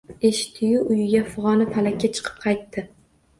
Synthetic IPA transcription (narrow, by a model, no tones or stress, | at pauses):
eʃɪ̥t̪ʰːɪjuʔʊjɪɡʲafʊʁɒnɪpʰalakʲːat͡ʃʰɨ̥qʰɨ̥p̚qʰɑjt̪ʰːɪ